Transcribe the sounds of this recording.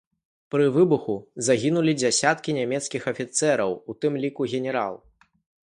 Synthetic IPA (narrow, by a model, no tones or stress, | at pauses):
pɾɨvɨbuxuzaɣʲinulʲid͡zʲasʲat̪kʲinʲamʲɛt̪skʲixɐfʲit̪sɛɾɐwut̪ɨmlʲikuɣʲɛnʲɛɾa̰lˠ